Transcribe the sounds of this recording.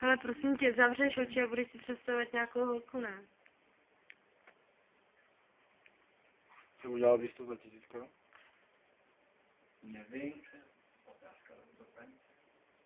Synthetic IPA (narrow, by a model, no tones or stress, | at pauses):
ʔalɛpɾo̞simcɛzavrɛʃo̞t͡ʃɪabudɛʃsɪpr̝̥ɛt̪st̪avat̪ɲaːkowɦolkunɛ | t͡sɛuɟɛlalvist̪ozacisiːt͡skao | nɛvɪm | ot̪aːska